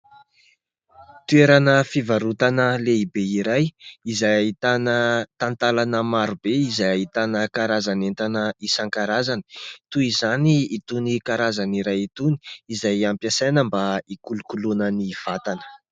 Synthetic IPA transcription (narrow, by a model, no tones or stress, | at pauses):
t̪ueɾanəfivaɾut̪anəleibeiɾajizajait̪anət̪ant̪alanəmaɾubeizajaɦit̪anəkaɾazanent̪anəisaŋkaɾazani̥t̪uizaniːt̪unikaɾazaniɾajit̪uni̥izajampjasanəmbaikulukulunəniv̥at̪anə̥